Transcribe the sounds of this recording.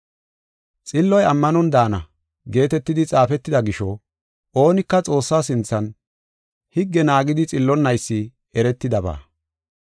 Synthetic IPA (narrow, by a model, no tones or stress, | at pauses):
t͡sʼɪlːɔjɐmːɐnɔnd̪aːnɐ | ɡe̞ːt̪ɛt̪ːɪd̪ɪt͡sʼaːfɛt̪ːɪd̪ɐɡɪʃɔ | ʔo̞ːnɪkːɐt͡sʼo̞ːsːaːsɪnt͡sːɐn | hɪɡːɛnaːɡɪd̪ɪt͡sʼɪlːɔnːɐjsːɪ | ɛɾɛt̪ːɪd̪ɐba̰ː